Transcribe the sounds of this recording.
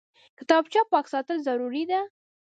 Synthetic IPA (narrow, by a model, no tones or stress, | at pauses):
kɪt̪ɑb̚t͡ʃɑpɑksɑt̪əlzaɾuɾid̪a